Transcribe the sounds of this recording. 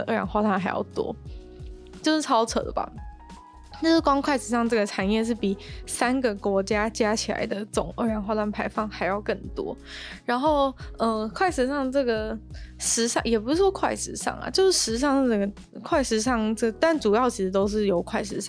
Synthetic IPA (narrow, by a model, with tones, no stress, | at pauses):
ʔɤ˥˩ɻa̰˨˧˦ŋxwa˥t̪wa˥˩nxa˧˥ɪjɑ̰˥˩ʊt̪wɔ̰˥ | t͡ɕjo˥˧ʊʂ̩˥˩t͡sʰɑ˥ʊt͡sʰɤ̰˧˩d̪ə̰˨˩ba̰˨˩ | t͡ɕjo˥˧ʊʂɻ̩˥˩kwɑ˥ŋkʰwa˥˩ɪʂɻ̩˧˥ʂɑ˥˧ŋʈ͡ʂɤ˥˩ɡə˩ʈ͡ʂʰa˨˩njɛ˥˧ʂ̬ɻ̩˥˩pi˨˩˦sa˥nɡə˨kwɔ˧˥t͡ɕja˥t͡ɕja˥t͡ɕʰi˨˩la̰˧˥ɪd̪ə˧˩t͡so˨˩˦ŋʔə˥˩ɻja˨˧˩nxwa˥t̪wa˥˩npʰa˧˥ɪfɑ˥˩ŋxa˧˥ɪjɑ˥˧ʊkə˥˩nt̪wɔ̰˦˥ | ɻa˧˥nxo˥˩ʊʔə˧˩kʰwa˥˩ɪʂɻ̩˧˥ʂɑ˥˧ŋʈ͡ʂɤ˥˩ɡə˩ʂɻ̩˧˥ʂɑ̰˥˩ŋjɛ˨˩p̬u˧˥ʂ̩˥˩wɔ˥kʰwa̰˥˩ɪʂɻ̩˧˥ʂɑ̰˥˩ŋɐ̰˩t͡ɕjo˥˧ʊʂɻ̩˥˩ʂɻ̩˧˥i˥˩ɑ˥˧ŋ˥˩ə˨˩ɡə˩ | kʰwa˥˩ɪʂɻ̩˧˥ʂɑ˥˩ŋʈ͡ʂɤ˥˩ə˩t̪a˥˩nʈ͡ʂu˨˩jɑ˥˩ʊt͡ɕʰi˧˥ʂɻ̩˧t̪o˥ʊʂ̬ɻ̩˥˩jo˨˩ʊkʰwa˥˩ɪʂɻ̩˧˥ʂɑ˥˩ŋ